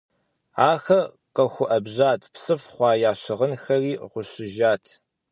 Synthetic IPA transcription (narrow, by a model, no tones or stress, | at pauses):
aːxɐ | qɐxʷʊʔɐbʑaːtʰpsɨfχʷɑːjaːɕɪʁənxɐriːʁʷʊɕɪʒaːtʰ